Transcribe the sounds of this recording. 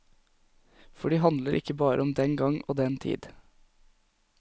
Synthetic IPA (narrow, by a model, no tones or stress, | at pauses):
fɔɖiːhɑnd̪ləɾʔɪ̰kəbɑːɾʔəɔmd̪ɛŋɡɑŋoːd̪ɛnt̪ʰḭːd̪